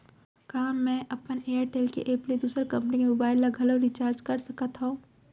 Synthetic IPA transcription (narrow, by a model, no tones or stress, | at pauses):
kɐɦãmɛ̃ːʔɐpəneːəɾʈeːlkḛʔeːplid̪uːsɾkɐ̃mpənikemobaːɪlːɐɡʱɐloɾit͡ʃaːɾd͡ʒkɐɾsɐkat̪ɦõː